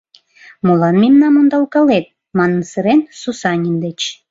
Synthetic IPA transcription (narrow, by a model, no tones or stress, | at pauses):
molɑnmemnɑmond̪ɑlˠkɑlet̪̚ | mɑnənsəɾensusɑnʲimd̪et͡ɕ